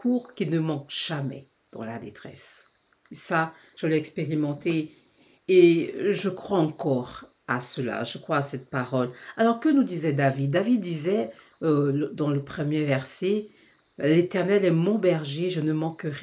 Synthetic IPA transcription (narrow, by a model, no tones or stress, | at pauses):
kʰuʁkʲinəmɑ̃kʒ̥amɛ̰ | d̪̥ɑ̰̃la̰d̪et̪χɛ̰s | esa | ʒ̥əlɛɛkspeʁimɑ̃t̪eː | ʒəkχwaɑ̃kɔʁ | a̰səla̰ʒəkχwaːsɛt̪̚paʁɔlalɔʁkənud̪izɛd̪avid̪̚ːavid̪ːizɛ | ød̪ɑ̃ləpχəmjevɛʁsɛ | let̪ɛʁnɛlɛmɔ̃bɛʁʒeʒənəmɑ̃kːəʁ